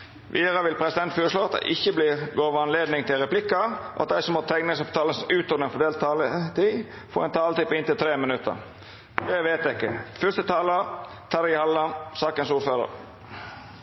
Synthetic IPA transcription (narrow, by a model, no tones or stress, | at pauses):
ʋʔḭːɾəʋɪlpʰɾɛsɪd̪ɛnt̪fɔːɾəʂloːɑt̪̚d̪ɛ̰ɪʔɪçːəbliːɾɡoːʋəɑnleːd̪nɪŋt̪ʰɪlɾɛplɪkːɑʔɑt̪̚d̪æɪsɔmhɑt̪ʰɛŋnəsɔpt̪ʰɑːləsʉːt̪ɔɾnɪŋfɔd̪eːlt̪ɑːlət̪ʰiː | fɔ̰ːɾɛnt̪ʰɑːlət̪ʰypɪnt̪ɪlt̪ʰɾeːmənʉt̪ʰːə̰ɾ | d̪ɛʋeːt̪ɪkːəfœst̪ət̪ʰɑːlə | t̪ʰɑːɾəɪhɑlːəsɑːkənsuːɾføːɾə̰ɾ